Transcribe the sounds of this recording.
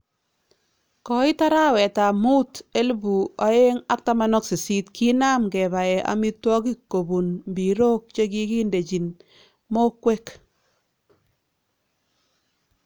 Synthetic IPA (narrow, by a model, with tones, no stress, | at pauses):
kɔ˨ɪ˦ta˦ɾa˦wɛ˨ta˨mu˦te˦lbu˨a˨˦e˦ŋa˦k̚ta˦ma˦nɔ˦ksi˨si˦tkʰi˦na˦mkɛ˨ba˨ɛ˨ʔa̰˨mi˦twɔ˦k̬i˦ko˨bu˨nmbi˨ɾo˦k̚t͡ʃe˦k̬i˦ki˦nde˨t͡ʃi˨n | mo˦kwe˦k